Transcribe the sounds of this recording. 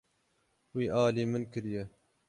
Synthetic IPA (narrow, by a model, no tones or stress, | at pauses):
wiːʔɑːliːmɨnkɨɾjɛ